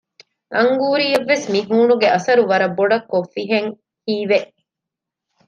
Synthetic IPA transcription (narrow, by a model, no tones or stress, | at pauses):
ʔɐŋɡuːɾiːɐʋːesmiɦuːnuɡeʔɐsɐɾuʋɐɾɐbːoɖɐkːofːiɦeŋ | hiːʋeʔ